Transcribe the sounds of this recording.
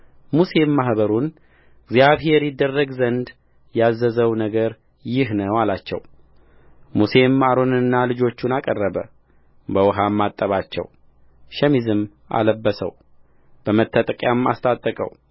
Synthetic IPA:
muse̞mːaɦbəɾun | ɪɡzijaβhe̞ɾjɪd̪ːərːəɡzənd̪ | jazːəzəwnəɡəɾ | jɪhnəwalat͡ʃːɛ̰w | muse̞maɾo̞nɨnːalɨd͡ʒo̞t͡ʃːunakʼərːəβə | bəwɦamːat̪ʼːəβat͡ʃːɛ̰w | ʃɛmizɨm | ʔa̰ləbːəsə̰w | b̥əmət̪ʰːət̪ʼəkʼjama̰st̪ʰʼat̪ʼːəkʼə̰w

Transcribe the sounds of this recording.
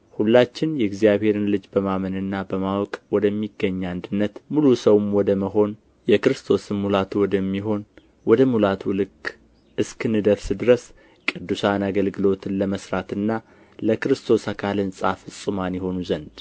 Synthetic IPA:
hulːat͡ʃːɪnjɛɪɡzijaβhe̞ɾɨnlɨd͡ʒbəmamənɨnːabəmawɔkʼwɔd̪əmːiɡːəɲːand̪ɨnːət̪mulusəwmwɔd̪əməɦo̞n | jɛkɾɨst̪ʰo̞sɨmmulat̪ʰuwɔd̪əmːiɦo̞n | wɔd̪əmulat̪ʰulɨkː | ʔɨskɨnɨd̪əɾsɨd̪ɨɾəs | kʼɨd̪ːusanaɡəlɡɨlo̞t̪ʰɨnləməsɾat̪ɨnːa | ləkɨɾɨst̪ʰo̞sakʰalɨnsʼafɨsʼɨmanjɛho̞nuzənd̪

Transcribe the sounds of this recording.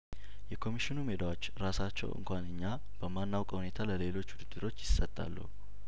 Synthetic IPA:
jɛkʰo̞miʃɪnume̞d̪awot͡ʃːɾasat͡ʃːɛ̰wʔɨ̰ŋkʷʰanɨɲːa | b̥əmanːawkʼhune̞t̪ʰaləle̞lo̞t͡ʃːwud̪ɨd̪ːɨɾo̞t͡ʃːjɪsːət̪ʼːa̰lːə̰hu

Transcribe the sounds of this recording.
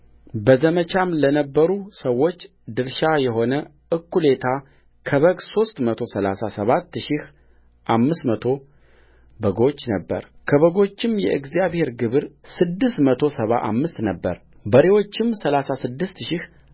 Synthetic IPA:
bəzəmət͡ʃʰamlənəbːəɾusəwːo̞t͡ʃː | d̪ɨɾʃajɛɦo̞nə | ʔɨkːule̞t̪ʰa | kʰəβəɡso̞st̪mət̪ʰo̞səla̰sasəβat̪ːʃɪh | ʔamːɨst̪mət̪ʰo̞ | bəɡo̞t͡ʃːnəbːə̰ɾkʰəβəɡo̞t͡ʃːɪmjɛʔɨɡzijaβhe̞ɾɡɨβɨɾsɨd̪ːɨst̪mət̪ʰo̞səβa̰ʔa̰mːɨst̪nəbːə̰ɾ | bəɾewo̞t͡ʃːɪmsəlasasɨd̪ːɨst̪ʃɪh

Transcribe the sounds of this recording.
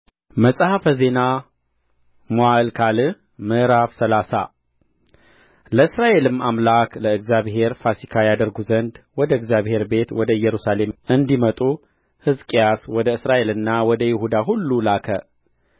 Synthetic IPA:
məsʼhafəze̞na | moalkʰalɨ | mɨʔɾafsəlasa̰ | ləɨsɾaʔe̞lɨmːamlakləɨɡzjaβhe̞ɾfasikʰajad̪əɾɡuzənd̪wɔd̪əɨɡzjaβhe̞ɾbe̞t̪wɔd̪əɨjːɛɾusale̞mɨnd̪imət̪ʼu | hɨzkʼijaswɔd̪əɨsɾaʔe̞lɨnːawɔd̪əjɪhud̪aɦulːulakʰə

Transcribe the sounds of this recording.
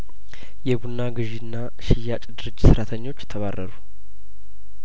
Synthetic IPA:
jɛbunːaɡɨʒinːa | ʃɪjːat͡ʃʼd̪ɨɾɨd͡ʒʼsɨɾat̪ʰəɲːo̞t͡ʃːjɛt̪ʰəβarːəɾu

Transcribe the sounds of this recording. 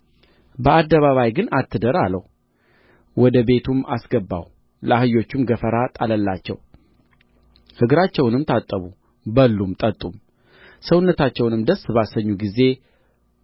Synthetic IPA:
bəad̪ːəβaβajɡɨnat̪ʰːɨd̪əɾalə̰w | wɔd̪əbe̞t̪ʰuma̰sɡəbːa̰w | ləahɨjo̞t͡ʃːumɡəfəɾat̪ʼaləlːat͡ʃːɛ̰w | hɨɡɾat͡ʃːɛwnɨmt̪ʰat̪ʼːəβu | bəlːumt̪ʼət̪ʼːum | səwunːət̪at͡ʃːɛwnɨmd̪əsbasəɲːuɡize̞

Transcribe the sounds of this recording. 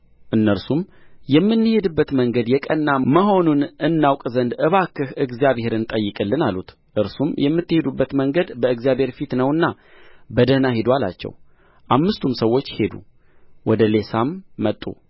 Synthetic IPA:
ʔɨnːəɾsumjɛmːɨnːɨhe̞d̪ɨbːət̪məŋɡəd̪jɛkʼənːaməɦo̞nunʔɨnːawkʼzənd̪ɨβakːɨhɨɡzijaβhe̞ɾɨnt̪ʼəjːɨkʼɨlːɨnalut̪ | ʔɨɾsumjɛmːɨt̪ːɨhe̞d̪ubːət̪məŋɡəd̪bəɨɡzijaβhe̞ɾfit̪nəwɨnːa | bəd̪ənaɦed̪wala̰t͡ʃːɛ̰w | ʔamːɨst̪ʰumsəwːo̞t͡ʃːhe̞d̪ṵ | wɔd̪əle̞samːət̪ʼːṵ

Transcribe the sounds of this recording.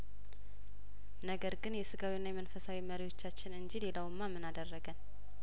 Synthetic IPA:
nəɡəɾɡɨnjɛsɨɡawinːajɛmənfəsawiməɾiwo̞t͡ʃːat͡ʃːɪnɨɲd͡ʒilelawɨmːamːɨnad̪ərːəɡən

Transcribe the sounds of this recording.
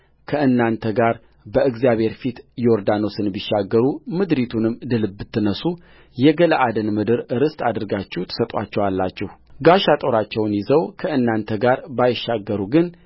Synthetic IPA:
kʰəʔɨnːant̪ʰəɡaɾ | bəɨɡzijaβhe̞ɾfit̪joɾd̪ano̞sɨnbiʃːaɡːəɾumɨd̪ɾit̪ʰunɨmd̪ɨlɨbbːɨt̪ʰːɨnəsu | jɛɡələʔad̪ɨnmɨd̪ɨɾɨɾɨst̪ʼad̪ɨɾɡat͡ʃːɛt̪ʰə̥sət̪ʼwa̰t͡ʃːɛwalːat͡ʃːɛhɡaʃat̪ʼo̞ɾat͡ʃːɛwnjɪzəwkʰəʔɨnːant̪ʰəɡaɾbajɪʃːaɡːəɾuɡɨn

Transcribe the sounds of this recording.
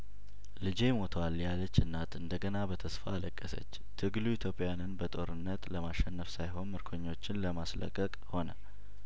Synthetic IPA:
lɨd͡ʒe̞mo̞t̪ʰəwaljalət͡ʃːɨnːat̪ɨnd̪əɡənabət̪ʰəsfaːləkʼːəsə̰t͡ʃː | t̪ʰɨɡluit̪ʰjo̞pʼjanɨnbət̪ʼo̞ɾɨnːət̪ləmaʃɛnːəfsajɦo̞nmɨɾkʰoɲːo̞t͡ʃːɪnləmaslə̰kʼːəkʼho̞nə̰

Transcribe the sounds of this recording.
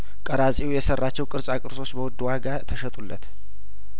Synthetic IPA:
kʼəɾasʼiwujɛsərːat͡ʃːɛwkʼɨɾsʼakʼɨɾso̞t͡ʃːbəwɔd̪ːuwaɡat̪ʰəʃət̪ʼulːə̰t̪

